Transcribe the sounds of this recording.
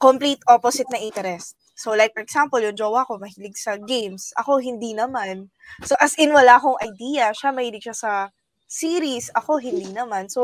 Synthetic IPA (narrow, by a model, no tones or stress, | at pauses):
komplit̪ʔoposɪt̪̚nɐʔɪnt̪ɛɾɛst̪̚solajk̚fɔɾɛɡsampɔljʊŋd͡ʒowakomɐhilɪɡsɐɡejmsʔɐ̰ko̞ɦɪnd̪inɐman | soʔɐsʔɪnwɐlaʔɐkoŋʔɐjd̪iːjɐʃamɐhiːlɪɡ̚ʃɐsɐ | siːɾisʔɐko̞ɦɪnd̪iːnɐmanso